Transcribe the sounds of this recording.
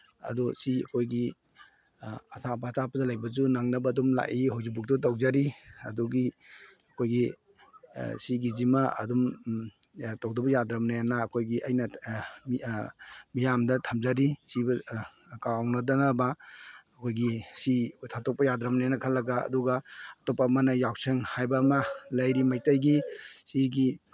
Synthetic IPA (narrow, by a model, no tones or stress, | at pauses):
ɐ̰dɔsiɐ̰kʰojɡi | ɐtʰapʰatapɐdɐlajbɐzunaŋnɐbɐːdumla̰ʔiɦawzibuk̚tɔtawzaɾiɐduɡi | ɐkʰojɡi | siɡizimaɐ̰dum | towdɐbɐjadɾɐmnajanaːkʰojɡiʔɐjnɐ | mijamdɐtʰamzaɾisibɐ | kawnadanabaː | kʰojɡisitʰatɔk̚pɐjadɾamnajanɐkʰalːɐɡa̰ːduɡɐːtɔpamanajawseŋhajbamalɐjɾimajtajɡisiɡi